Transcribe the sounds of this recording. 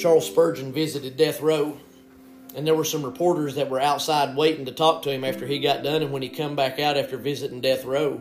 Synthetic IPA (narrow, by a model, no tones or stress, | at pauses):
t͡ʃʰɑɹlˠspɜ˞d͡ʒɨ̃nvɪzɨɾɨd̚ɛθɹoʊ | ɨ̃nðə˞wə˞sʌ̃mɹəpʰɔɹɾə˞zðɨt̚wə˞aʊtsaɪd̚weɪɾɪ̃ŋtɨtʰɔk̚tʰɨɨ̃mæftə˞iɡɑt̚d̥ʌ̃nɨ̃nwɨ̃nikʰʌ̃mbækaʊɾæftə˞vɪzɨɾɪ̃ŋdɛθɹoʊ